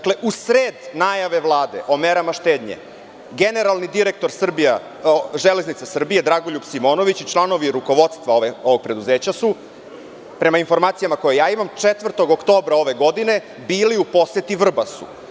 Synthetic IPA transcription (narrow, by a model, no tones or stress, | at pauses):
akleʔusɾeːd̪naːjaʋe̞ʋlˠaːd̪e̞ʔo̞meɾamaʃt̪e̞ːd̪ɲḛ | ɡene̞ɾalˠnid̪iɾe̞k̚t̪o̞ɾsr̩bija | ʒele̞znit̪sasr̩bije̞d̪ɾaɡoʎupsimo̞ːno̞ʋit͡ɕit͡ʃlˠano̞ʋiɾuko̞ʋo̞d̪st̪ʋaoʋeoʋoɡ̚pɾe̞d̪uzeːt͡ɕasu | pɾe̞mainfo̞ɾmaːt̪ijamako̞jejaːimamt͡ʂet̪ʋrt̪o̞ɡokt̪oːbɾao̞ʋe̞ɡo̞d̪ine̞ | biːliupo̞set̪iʋr̩basṵ